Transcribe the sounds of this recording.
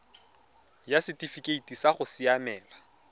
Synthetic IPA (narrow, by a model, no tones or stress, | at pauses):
jasɪtʼifikʼeitʼisaχʊsɪamɛːla